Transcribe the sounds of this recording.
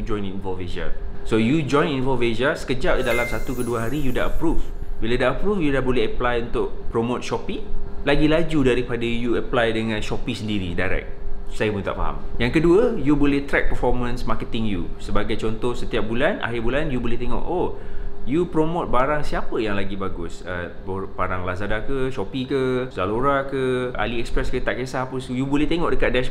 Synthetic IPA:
d͡ʒɔ̃jninvɔlfeza̰sojud͡ʒɔ̃j̃ninvɔlfezasə̥kəd͡ʒap̚didalamsat̪ukəduəɦaɾijuda̰ʔəpɾufbilədaʔəpɾufjudahbolɛəplajunt̪ʊʔpɾomot̪̚ʃɔpilaɡilad͡ʒudaɾipadajuəplajdəŋãnʃɔpisəndiɾḭdajɾɛ̰k̚sajəpunt̪a̰ʔfa̰ɦa̰mjaŋkəduəjubolɛht̪ɾɛk̚pərfɔrmə̃nsmakət̪ɪŋjṵsəbaɡajt͡ʃɔnt̪ɔhsət̪iap̚bulanʔa̰ɦɪrbulanjubolɛht̪eŋɔ̰ʔojupɾomot̪̚baɾaŋsiapəjaŋlaɡibaɡʊsə̰bopaɾaŋlazadakəʃɔpikəzaloɾakəa̰liɛkspɾɛskət̪aʔkesahpusjubulɛht̪eŋɔʔdəkat̪̚dɛs

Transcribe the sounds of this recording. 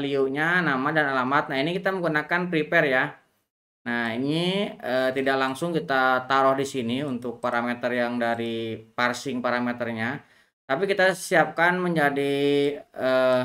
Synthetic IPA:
liuɲanamadanalamat̪̚naɦinikit̪aməŋɡunakanpɾipɛrja | nahiniət̪idaklaŋsʊŋkit̪at̪aɾɔhdisiniunt̪ʊk̚paɾamet̪ərjaŋdaɾiparsɪŋpaɾamet̪ərɲa | t̪apikit̪asiap̚kanməɲd͡ʒadi | ə

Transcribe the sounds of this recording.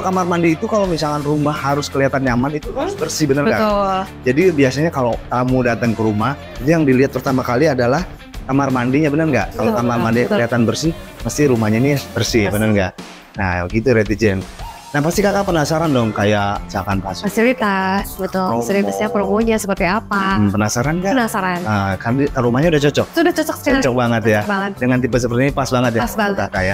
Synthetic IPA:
kamarmandiːt̪ukalomisalkanrumahːaɾʊskəliat̪anɲamanit̪uasbərsihbənərbəɡaʊld͡ʒadibiasaɲakalot̪amudat̪əŋkəɾumah | it̪ujaŋdiliɦat̪̚pərt̪amakaliadalah | kamarmandiɲabənərŋɡa̰ʔkalokamarmandiɲakliɦat̪anbərsiməst̪iɾumahɲainibərsibənərŋɡa̰ʔ | naɡit̪uɾet̪id͡ʒɛn | nahpast̪ikakapənasaɾandɔŋkajat͡ʃakanpasasiɾit̪abət̪ʊlsəɾit̪asjaŋpəɾəɡoɲasəpərt̪iapam̩pənasaɾanɡanasaɾanəkardiaɾumahɲaudaht͡ʃɔt͡ʃɔk̚tuudaht͡ʃɔt͡ʃɔk̚sə̥kaɔt͡ʃɔk̚baŋət̪jabaŋət̪̚dəŋant̪ipəsəpərt̪iɲaipasbaŋət̪̚jaasat̪akaja

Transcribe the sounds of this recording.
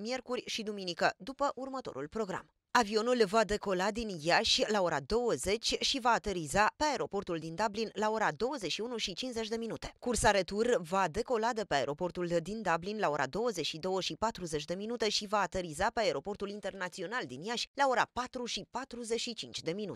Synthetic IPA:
mije̞rkurʲʃid̪uminikəd̪upəʔurmət̪o̞ɾṵlpɾo̞ɡɾa̰m | avio̞nulvad̪e̞ko̞lad̪injaʃʲlao̞ɾad̪o̞wəze̞t͡ʃʲʃivaːt̪e̞ɾizapeae̞ɾo̞po̞rt̪uld̪ind̪ablinlao̞ɾad̪o̞wəzet͡ʃʃiunuʃit͡ʃinze̞t͡ʃʲd̪e̞minut̪e̞̥kursaɾet̪urvad̪e̞ko̞lad̪epeae̞ɾʔo̞po̞rt̪uld̪ind̪ablinlao̞ɾʔa̰d̪o̞wəze̞t͡ʃʃid̪o̞wəʃipat̪ɾuze̞t͡ʃʲd̪e̞minut̪e̞ʃivaːt̪e̞ɾizapeae̞ɾo̞po̞rt̪ulint̪e̞rnat̪sio̞nald̪injaʃʲlao̞ɾa̰pat̪ɾuʃipat̪ɾuze̞t͡ʃʃit͡ʃint͡ʃʲd̪e̞minṵt̪e̥

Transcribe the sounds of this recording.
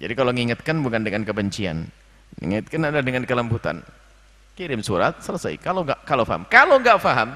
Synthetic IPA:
d͡ʒa̰dikaloŋiŋat̪̚kanbukandəŋankəbəɲt͡ʃia̰n̰ | ŋt̪̚kanadadəŋankələmbut̪a̰n | kiɾɪmsuɾa̰t̪̚sələsa̰jkaloŋɡaʔkalofaɦa̰mkaloŋɡaʔfaɦam

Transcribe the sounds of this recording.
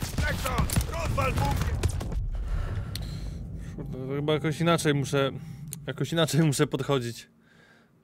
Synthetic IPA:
t̪ɛkt̪anɾɔd̪valbɔvʲɛ | ʂuxɘbajakɔɕinat͡ʂɛjmuʂɛjakɔɕinat͡ʂɛjmuʂɛpɔt̪xɔd͡ʑit͡ɕ

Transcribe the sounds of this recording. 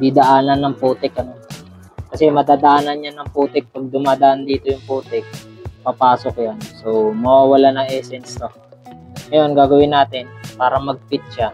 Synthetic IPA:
d̪id̪ɐʔaːnɐnːɐŋpuːt̪ɪkɐno̞ | kɐsɛmɐd̪aːd̪ɐʔaːnɐnjanɐŋpuːt̪ɪk̚pɐɡ̚d̪ʊmaːd̪ɐʔand̪iːt̪o̞jʊŋpuːt̪ɪk̚pɐpaːsokjansomɐwaːwɐlanɐŋʔɛːsɛnst̪o | ŋɐjo̞nɡaːɡɐwɪnːaːt̪ɪnpaːɾɐmɐɡ̚pɪt̪̚ʃa

